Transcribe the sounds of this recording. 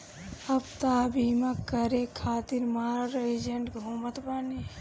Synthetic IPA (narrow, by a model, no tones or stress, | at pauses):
ɐbt̪aːbiːmakəɾekʰaːt̪iɾmaːɾɾed͡ʒeɳʈɡʱoːmət̪bɐne